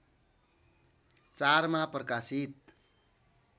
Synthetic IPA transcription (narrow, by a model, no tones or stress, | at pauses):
t͡saɾmaprʌkasit̪̚